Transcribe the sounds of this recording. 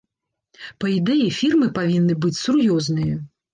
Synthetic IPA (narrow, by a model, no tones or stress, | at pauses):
pɐid̪ɛjifʲirmɨpavʲinːɨbɨt͡sʲsurjɔznɨjɐ